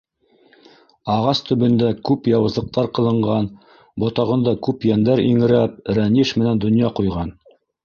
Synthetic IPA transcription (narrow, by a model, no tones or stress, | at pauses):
ɑʁɑst̪ɵ̆βɘ̆nd̪ækʉpjɑwɤ̆zˠɤ̆q̚t̪ɑɾqɤ̆lˠɤ̆ɴɢɑn | bŏt̪ɑʁɤ̆nd̪ɑkʉpjænd̪æɾḭŋɘ̆ɾæp̚ɾæniʃmɘ̆nænd̪ŏnjɑqujʁɑn